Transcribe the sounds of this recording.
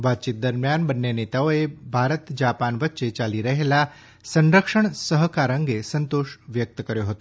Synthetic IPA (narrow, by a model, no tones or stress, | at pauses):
ʋat̪̚t͡ʃit̪̚d̪əɾmjanbənːenet̪aoebʱaɾət̪d͡ʒapanʋət̪ːʃet͡ʃaliɾəɦela | sə̃nɾəkʂəɳsəɦkaɾə̃ŋɡesənt̪oʃʋjək̚t̪əkəɾjoɦət̪o